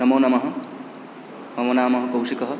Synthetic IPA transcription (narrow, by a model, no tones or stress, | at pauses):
nʌmonamʌɦʌ | mʌmonaːmʌɦʌkowsikʌɦʌ